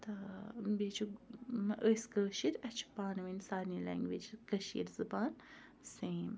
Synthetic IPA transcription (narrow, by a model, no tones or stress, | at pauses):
t̪ɐbeːt͡ʃʰumʔəsɡəːʃiɾɐt͡ʃʰpaːnʋinsaːɾnilɛ̰ːŋɡʋiːd͡ʒkɐʃḭːɾzɐbaːn | seːm